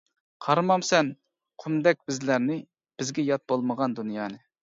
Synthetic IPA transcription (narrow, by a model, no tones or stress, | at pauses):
qʰɑɾmɑmsɛn | qʰʊmd̪ɛk̚ʲbɪzlæɾnɪ | b̥ɪzɡʲɛjɑt̪̚bolˠməʁɑnd̪unjɑːnɨ